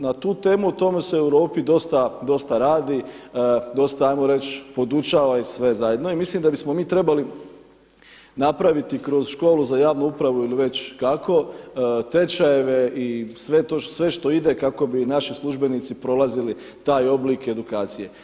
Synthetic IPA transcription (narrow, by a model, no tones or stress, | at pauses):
nat̪uːt̪e̞ːmuut̪o̞meseewɾo̞ːpid̪o̞st̪ad̪o̞st̪aɾaːd̪i | d̪o̞st̪aajmoɾe̞t͡ɕpo̞d̪ut͡ʃaːʋaisʋe̞zajed̪no̞imisliːmd̪abismomiːt̪ɾe̞bali | napɾaʋit̪ikɾo̞zʃko̞ːluzajaːʋnuupɾaʋuiliʋe̞t͡ɕkakʰo̞t̪e̞t͡ʃaje̞ʋe̞isʋe̞t̪osʋe̞ʃt̪o̞id̪e̞kako̞binaʃislˠuʒbe̞niːt̪sipɾo̞lˠazili | t̪aːjo̞blike̞d̪ukaːt̪sije̞